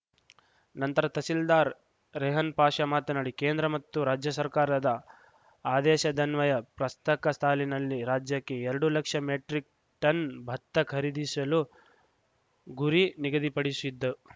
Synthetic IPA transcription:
nɐnt̪ɐɾɐt̪ɐsild̪aːɾ | ɾɛɦɐnpaːʂɐmaːt̪ɐnɐɽikeːnd̪ɾɐmɐt̪ːuɾaːd͡ʒjɐsɐɾkaːɾɐd̪ɐ | aːd̪ɛːʃɐd̪ɐnʋɐjɐpɾɐst̪ɐkɐst̪ʰaːlinɐlːiɾaːd͡ʒjɐkːeɛɾɐɽulɐkʂɐmeːʈɾik̚ | ʈɐnbʱɐt̪ːɐkʰɐɾid̪isɐlu | ɡuɾiniɡɐd̪ipɐɽisid̪ːɐ

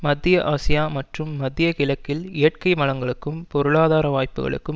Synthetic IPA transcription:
mɐd̪ːɪjɐʔaːsɪjaːmɐʈrɯmːɐd̪ːɪjɐkɪlɐkːɪlɪjɐʈkɐɪmɐlɐŋɡɐɭɯkːɯmpɔɾɯɭaːðaːɾɐʋaːjpːɯɣɐ̰ɭɯ̰kːɯm

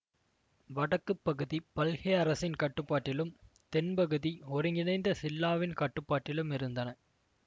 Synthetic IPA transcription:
ʋɐɽɐkːɯpːɐɣɯðipɐlɣɐɐɾɐsɪnkɐʈːɯpːaːʈːɪlɯm | t̪ɛnpɐɣɯðiɔɾɯŋɡɪnɐɪnd̪ɐsɪlːaːʋɪnkɐʈːɯpːaːʈːɪlɯmɪɾɯnd̪ɐnɐ

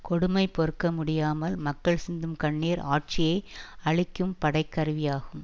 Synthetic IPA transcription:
kɔɽɯmɐɪpːɔɾɯkːɐmʊɽɪjaːmɐlmɐkːɐɭsɪnd̪ɯmkɐɳːeːɾaːʈ̚t͡ʃɪjɐɪɐɭɪkːɯmpɐɽɐɪkːɐɾɯʋɪjaːɣɯm

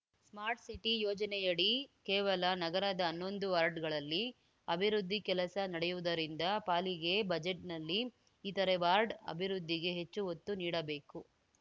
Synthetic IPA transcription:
smaːɾʈsiʈijɔːd͡ʒɐnɛjɐɽikeːʋɐlɐnɐɡɐɾɐd̪ɐːnːo̞nd̪uʋaːɾɖɡɐɭɐlːi | ɐbʱiɾud̪ʱːikɛlɐsɐnɐɽɛjuʋud̪ɐɾind̪ɐpaːliɡe̞bɐd͡ʒeʈnɐlːiː | t̪ɐɾeʋaːɾɖɐ̰bʱiɾud̪ːiɡe̞ɦe̞t͡ʃːuɦot̪ːuniːɽɐbe̞ːku

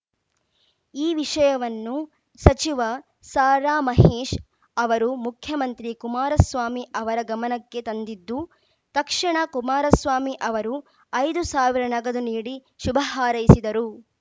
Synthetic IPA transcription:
iːʋiʂɐjɐʋɐnːu | sɐt͡ʃiʋɐ | saːɾaːmɐɦeːʃ | ɐʋɐɾumukʰjɐmɐnt̪ɾikumaːɾɐsʋaːmiʔɐʋɐɾɐɡɐmɐnɐkːe̞t̪ɐnd̪id̪ːu | t̪ɐkʂiɳɐkumaːɾɐsʋaːmiʔɐʋɐɾu | ɐjd̪usaːʋiɾɐnɐɡɐd̪uniːɽi | ʃubʱɐɦaːɾɐjisid̪ɐɾu

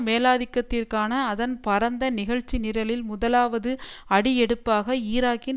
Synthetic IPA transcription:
meːlaːðɪkːɐt̪ːɪrkaːnɐːðɐnpɐɾɐnd̪ɐnɪɣɐɻt͡ʃːinɪɾɐlɪlmʊðɐlaːʋɐðɯɐɽɪjɛɽɯpːaːɣɐiːɾaːkɪ

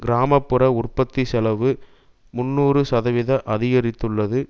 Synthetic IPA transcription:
ɡɪɾaːmɐpːɯɾɐʊrpɐt̪ːisɛlɐʋɯ | mʊnːuːrɯsɐðɐʋɪðɐʔɐðɪɣɐɾɪt̪ːɯɭːɐðɯ

